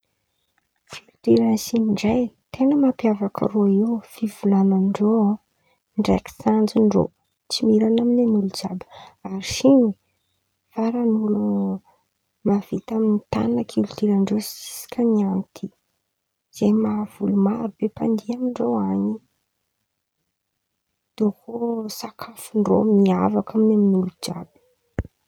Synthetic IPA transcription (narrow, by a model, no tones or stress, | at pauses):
kilut̪iɾansiniɳɖ͡ʐajt̪ʰenəmapjavaka̰ɾuaiwfivulananiɳɖ͡ʐoa | ɳɖ͡ʐaksand͡zuɳɖ͡ʐo̰ | t͡simiɾanaminanulud͡ʒabə̥aɾiʃiɲi | faɾanulu | mav̥it̪aminit̪a̰nakʰult̪iɾaɳɖ͡ʐosi̥si̥kʲaniant̪ʰi | z̥ejmav̥ulumaɾubepand̪iamiɳɖ͡ʐoaɲi | d̪̥okʰosakʰafuɳɖ͡ʐo̰miavakaminaminulud͡ʒa̰bə̥